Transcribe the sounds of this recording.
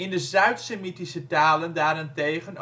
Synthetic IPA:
ɪndəzœɥtsemitisətaːləndaːɾɪntejχən

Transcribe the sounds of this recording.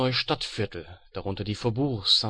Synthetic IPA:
ɔʏʃtatfɪɐtʰl̩d̥aʁʊntɐdiːfɛɐbuːsa

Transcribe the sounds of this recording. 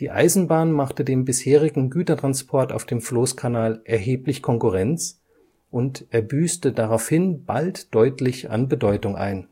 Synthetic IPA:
d̥iːʔa̰ɪzn̩baːnmaχtədeːmbɪsheːʁ̞ɪɡŋ̩ɡyːtɐtʁ̥anspʰɔɐta̰ʊfd̥eːmfloːskʰanaːlʔɛɐɦeːplɪçkʰɔŋkʊʁɛnt͡s | ʔʊntʔɛɐbyːstədaʁaʊfhɪnb̥a̰ltd̥ɔʏtʰlɪça̰nbədɔʏtʊŋʔa̰ɪn

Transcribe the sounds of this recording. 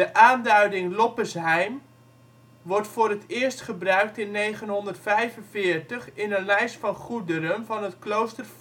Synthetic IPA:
əʔaːndœɥdɪŋlɔpəsɦɛjm | ʋɔrtfʊːɾətɪərstχəbrœɥk̚tɪnːejχənɦɔndərtfɛjvənvɪːəɹtəχɪnənlɛjstfɑnχudəɾənvɑnətklowstərf

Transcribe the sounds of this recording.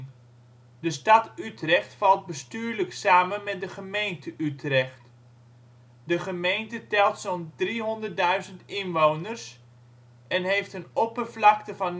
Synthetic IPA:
dəstɑtytrɛχtfɑlˠt̚bəstyːɹləksaːmənmɛt̚dəχəmejntəʔytrɛχt | dəχəmejntətɛlˠtsɔndriɦɔndərt̚dœɥzəntɪnʋownərs | ɛnɦejftənɔpərvlɑktəvɑn

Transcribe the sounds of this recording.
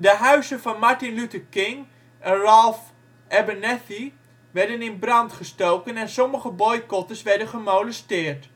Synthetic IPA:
dəɦœɥsənfɔnmaɹtinlytəkɪŋ | ʔɛnralˠf | ɛbənɛθi | ʋɛɹdənɪnbrɑntχəstowkənɛnsoməχəbojkɔtəsʋɛɹdənχəmowləstɪːərt

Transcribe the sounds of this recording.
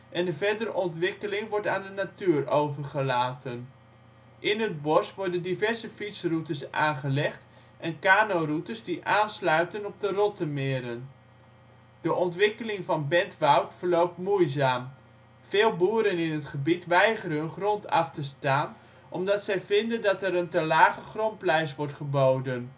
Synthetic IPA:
ʔɛnəvɛɹdəɾəʔɔntʋɪkəlɪŋʋɔɹtaːndənatyːrowvəχəlaːtən | ʔɪnɦəd̚bɔsʋɔɹdəndivɛɹzəfitsrutəsʔa̰ːnχəlɛχt | ʔɛnkaːnowrutəszdiʔaːnslœɥtənɔb̚dərɔtəmɪːɾən | dəʔɔntʋɪkəlɪŋvɑnbɛntʋawtfəɹlowp̚tmujzaːm | v̥ɪːlˠbuːɾənɪnətχəbitʋɛjχəɾəənχrɔntɑ̰ftəstaːn | ʔɔmdɑtsɛjvɪndəndɑtɛɾəntəlaːχəχrɔnplɛjs̬ʋɔɹtχəbowdən

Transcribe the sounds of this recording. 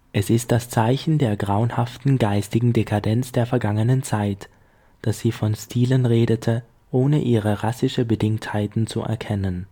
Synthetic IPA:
ʔɛsɪst̚d̥ast͡saɪçn̩deːɐɡʁaʊnhaftn̩ɡaɪstɪɡŋ̩dekʰadɛnt͡sd̥eːɐfɛɐɡaŋənənt͡saɪt | d̥asz̥iːfɔnstʰiːlənʁeːdətʰə | ʔoːnəʔiːʁəʁasɪʃəbədɪŋthaɪtn̩t͡sṵʔɛ̰ɐkʰɛnən

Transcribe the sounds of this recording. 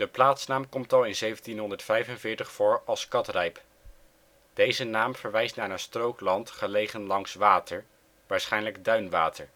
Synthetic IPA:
d̥əplaːtsnaːmkɔmtɑlˠɪnzejvntinɦɔndəɹtfɛjvənvɪːɹtəχfʊːɹɑlˠskɑtrɛjp | d̥ejzənaːmv̥əɹʋɛjstnaːɹənstrowklɑntχəlejχənlɑŋsʋaːtəɹ | ʋaːɹsχɛjnləɡdœɥnʋaːtəɹ

